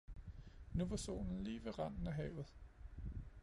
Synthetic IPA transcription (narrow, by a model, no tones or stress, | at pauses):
nuʋɑso̝̰ːnn̩liːʋeʁɑn̰n̩æɦɛ̰ːʊð̩ˠ